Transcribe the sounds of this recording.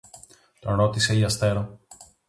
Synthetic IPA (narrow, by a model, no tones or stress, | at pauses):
t̪onɾo̞t̪ise̞ʝɐst̪e̞ɾo